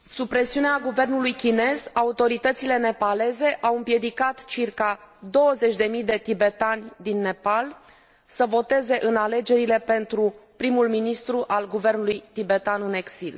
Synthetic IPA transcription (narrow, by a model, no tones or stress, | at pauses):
supɾe̞siuneaɡuve̞rnulujkʲine̞zaut̪o̞ɾit̪ət̪sile̞ne̞pale̞ze̞ʔawɨmpje̞d̪ikat̪t͡ʃirkad̪o̞wəze̞t͡ʃʲd̪e̞mijd̪e̞t̪ibe̞t̪anʲd̪inːe̞pal | səvo̞t̪e̞ze̞ʔɨnale̞d͡ʒe̞ɾile̞pe̞nt̪ɾupɾimulminist̪ɾuʔalɡuve̞rnulujt̪ibe̞t̪anɨne̞ksil